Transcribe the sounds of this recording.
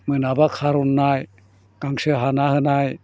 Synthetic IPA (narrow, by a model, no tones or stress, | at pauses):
mɯnabakʰaɾunːaj | kaŋsɯɦanahɯnaj